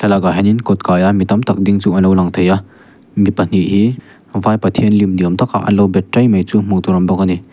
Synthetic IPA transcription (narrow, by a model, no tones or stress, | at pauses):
tʰalaɡaɦaninkɔt̚kajamitɐmtʰɐk̚diŋt͡ʃuɐnowlaŋtʰɐja | mipɐn̥iɦi | vajpɐtʰienlimdiɐmtʰɐka̰ʔɐ̰nlɔwbetɾajmajt͡sumuŋtuɾɐmbɐkɐni